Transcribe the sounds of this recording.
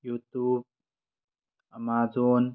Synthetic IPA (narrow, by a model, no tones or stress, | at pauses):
jut̪ub̚ | ʔəmaːzɔːn